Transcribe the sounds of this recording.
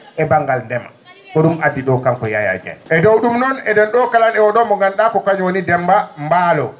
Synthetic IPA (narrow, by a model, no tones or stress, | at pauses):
ɛbaŋɡalndɛma̰ | kɔɗumʔadːiɗɔkaŋkɔja̰ja̰d͡ʒa̰nʔɛdowɗumnɔnɛdɛnɗɔkalanɛwɔɗɔmɔŋɡanɗakɔkaɲwonidɛmbambaːlɔ